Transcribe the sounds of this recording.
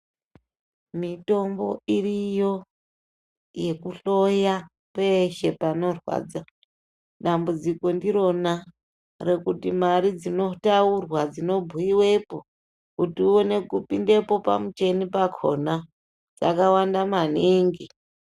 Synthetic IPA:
mito̞mbo̞̰irijo̞ | je̞kuɬo̞ja | pe̞ʃe̞pano̞rwa̰d͡za | ɗambud͡ziko̞ndiɾo̞na | re̞kutimaɾid͡zino̞taurwad͡zino̞bʱuiwe̞po̞ | kutiuo̞ne̞kupinde̞po̞pa̰mut͡ʃe̞nipakʰo̞̰na | d͡za̰kawandamaniŋɡi

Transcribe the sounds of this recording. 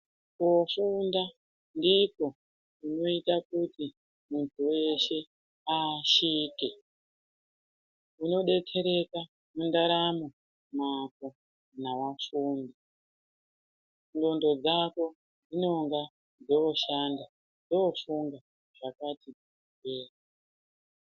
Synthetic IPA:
kofunda | ndiko̞ | uno̞itakuti | muntʰuwe̞ʃe̞ | aʃiːke̞ | uno̞ɗe̞tʰe̞ɾe̞ka | mundaɾamo | mak̚o | naʋafuːndi | ndo̞ndo̞d͡zako̞ | d͡zino̞ŋɡa | d͡zoːʃanda | d͡zofuŋɡa | ʐ̥akati | keːra

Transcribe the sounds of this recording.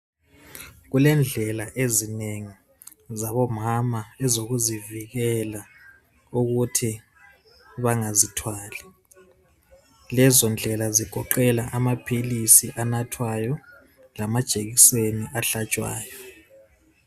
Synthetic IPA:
ɣulɛnd͡ɮʱɛlaʔezineŋi | zaβɔmamaɛzoɣuziviɣɛla | uɣutʰi | βaŋazitʰwaːli | lɛzɔnd͡ɮʱɛlaziɡ̥ʱɔǃɛlaʔamapʰilisiʔanatʰwajɔ | lamad̥ʒ̥ʼʱeɣiseniʔaɬat͡ʃʼwa̰ːjɔ

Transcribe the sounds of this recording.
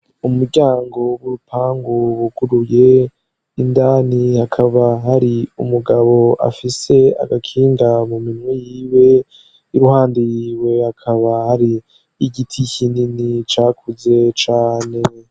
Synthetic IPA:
umuɾɟaːŋɡo̞βuɾupʰaːŋɡowuɡuɾuje̞ | indaːnihakʰaβaɦaɾiumuɡaβo̞a̰fise̞a̰ɡakʰiːŋɡamuminwijiːwe̞ | iɾuhaːndijiːwe̞hakʰaβahaɾiː | ɟitʰiçininit͡ʃaːkʰuze̞t͡ʃaːne̞

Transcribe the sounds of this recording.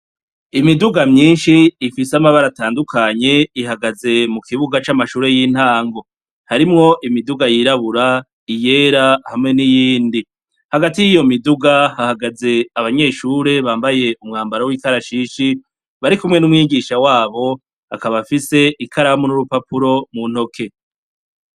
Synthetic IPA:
imiduɡamɲiːnʃiːfisamaβaɾataːndukʰaɲe̞iɦaɡaze̞mukʰiβuɡat͡ʃamaʃuːɾe̞jiːn̥haːŋɡo̞ | haɾimŋo̞ʔimiduɡajiɾaβuɾa | ije̞ːɾahamŋe̞nijiːndi | haɡatijijo̞miduɡahahaɡaze̞aβaɲe̞ːʃuːɾe̞βaːmbaje̞umŋaːmbaɾawikaɾaʃiːʃi | βaɾikumŋe̞numŋiːɡiʃawaːβo̞ | akaβafise̞ʔikʰaɾamonuɾupapuɾo̞mun̥ho̞kʰe̞

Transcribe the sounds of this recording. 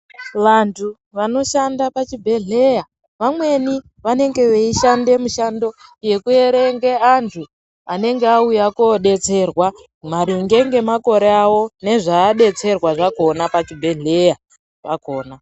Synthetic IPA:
ʋantʰu | ʋano̞ʃandapat͡ʃibʱe̞ɮe̞ja | ʋamwe̞ni | ʋane̞ŋɡe̞ʋeiʃande̞muʃando̞je̞kue̞ɾe̞ŋɡeantʰu | ane̞ŋɡeaujakoɗe̞t͡se̞rwa | maɾiŋɡe̞ŋɡe̞mako̞ɾeawo̞ne̞ʐaːɗe̞t͡se̞rwaʐako̞napat͡ʃibʱe̞ɮe̞ja | ʋakoːna

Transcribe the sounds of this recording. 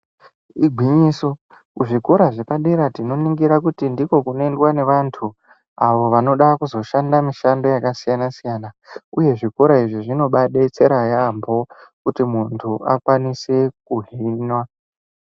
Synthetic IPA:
iɡʱwiɲiːso̞ | kuʐikoɾaʐe̞paɗeɾatino̞niŋɡiɾakutindiko̞kunoendwane̞ʋantʰu | aʋo̞ʋano̞ɗakuzo̞ʃandamiʃando̞jakasijanasijana | uje̞ʐikoɾaiʐiʐino̞ɓaɗet͡se̞ɾajambo̞kutimuntʰuʔakwanise̞kuɦiːnwa

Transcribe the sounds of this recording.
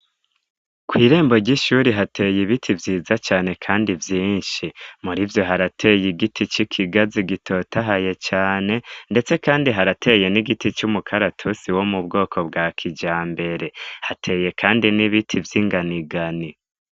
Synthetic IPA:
kwiːɾe̞ːmbo̞ɾɟiʃuɾiɦatʰe̞ːjiβitʰivjiːzat͡ʃaːne̞kʰaːndivjiːnʃimuɾivjo̞ɦaɾatʰe̞jiɡitʰit͡ʃikʰiɡaziɡitʰo̞taɦaje̞t͡ʃaːne̞nde̞t͡se̞kaːndiɦaɾatʰe̞ːje̞niɡitit͡ʃumukʰaɾatʰusiwo̞mubɡo̞ːkʰo̞bɡaːkʰid͡ʒaːmbe̞ɾe̞hatʰe̞ːje̞kʰaːndiniβitʰivjiŋɡaniɡani

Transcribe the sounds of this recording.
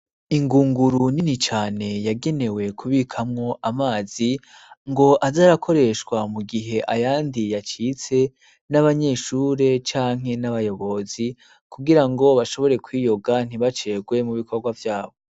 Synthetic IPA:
iŋɡuːŋɡuɾuninit͡ʃaːne̞jaɡe̞ne̞we̞kʰuβikʰamŋo̞ʔamaːzi | ŋɡo̞ʔazaɾakʰo̞ɾe̞ʃkwamuɡiɦe̞ʔajaːndijat͡ʃit͡se̞ | naβaɲe̞ʃuːɾe̞t͡ʃaːŋ̥ɦe̞naβajo̞βo̞zi | kuɡiɾaŋɡo̞βaʃo̞βo̞ɾe̞kwiːjo̞ɡan̥iβat͡ʃe̞ɡwe̞muβikʰo̞ɾɡwavjaːβo̞

